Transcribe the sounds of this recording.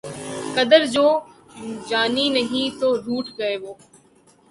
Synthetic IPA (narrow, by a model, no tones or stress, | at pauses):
kɐd̪əɾd͡ʑoː | d͡ʑaːninɐɦĩt̪oːɾuːʈɡɐeːʋoː